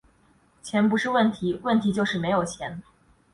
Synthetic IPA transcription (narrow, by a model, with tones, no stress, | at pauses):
t͡ɕʰjɛ˧˥npu˧˥ʂɻ̩˥˧wə˥˩nt̪ʰi˧˥wə˥˩nt̪ʰi˧˥t͡ɕjo˥˧ʊʂɻ̩˥˩me˧˥ɪjo˨˩ʊt͡ɕʰjɛ˧˥n